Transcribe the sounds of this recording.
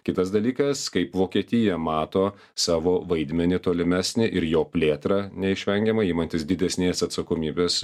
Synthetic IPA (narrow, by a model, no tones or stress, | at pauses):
kʲɪt̪ɐs̬d̪ɐlʲiːkɐskɐɪpʋoːkʲiɛt̪ʲɪjɛmɑːt̪oː | sɑːʋoːʋɐɪd̪ʲmʲɛnʲɪt̪oːlʲɪmʲæːsʲnʲɪʔɪɾjoːpʲlʲeːt̪ɾɑnʲɛɪʃʲʋʲɛŋʲɡʲɛmɐiːmɐnʲt̪ʲɪsd̪ʲɪd̪ʲɛsʲnʲeːsɐt̪sɐkoːmʲiːbʲeːs